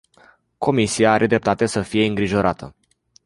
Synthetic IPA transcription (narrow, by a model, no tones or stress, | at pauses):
ko̞misijaaɾʔe̞d̪ɾe̞p̚t̪at̪e̞səfije̞ɨŋɡɾiʒo̞ɾat̪ʰə̰